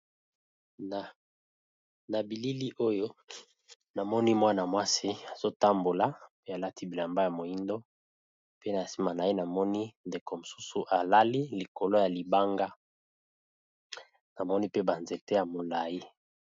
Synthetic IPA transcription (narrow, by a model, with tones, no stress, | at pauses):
na˨bi˨li˦li˦ʔo˦jo˦ | na˨mɔ˦ni˦mwa˦na˨mwa˦si˦a˨z̥o˦ta˦mbo˨la˨pe˦a˨la˦tʰi˦bi˨la˨mba˦ja˨mo˨ji˦ndo˦ | pe˦na˨a˨si˦ma˨na˨je˦na˨mɔ˦ni˦nde˨ko˨mo˨su˦su˨ʔa˨la˦li˦li˨ko˨lo˦ja˨li˨ba˦ŋɡa˦ | na˨mɔ˦ni˦pe˦ba˨nze˨te˦ja˨mo˨la˨ji˦